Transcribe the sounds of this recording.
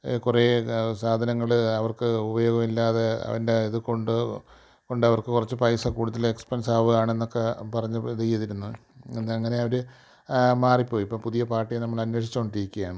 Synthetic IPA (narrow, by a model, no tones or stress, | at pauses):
kure̞ːsaːd̪ʱɐnɐŋːɐɭɐʋɐrkɨubɐjo̞ːɡɐmilːaːðeɐ̰ʋɐ̰ndeiðɨko̞ɳɖɨ | ko̞ɳɖɨɐʋɐrkɨkurɐt͡ɕːɨpɐjsɐkuːɽuðɐlekspensaːʋɨaːɳe̞nːo̞kːe̞pɐrɐɲːut͡ɕejɐðiɾunːɐenːɐŋːɐne̞ɐʋɐɾɨ | maːripːo̞ːjipːompuðijɐpaːrʈːijnɐmːɐɭɐnwe̞ːʂi̥t͡ɕːkoɳɖiɾikʲːujaːɳɨ